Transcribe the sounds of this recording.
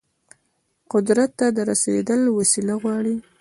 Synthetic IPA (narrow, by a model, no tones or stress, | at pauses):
qʊd̪ɾat̪ːad̪əɾasḛd̪əlwasilaɣwɑɽi